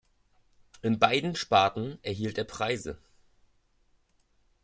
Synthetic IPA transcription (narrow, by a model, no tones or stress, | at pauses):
ʔɪnbaɪdn̩ʃpaɐtn̩ʔɛɐɦiːlteːɐpʁ̥aɪzə̰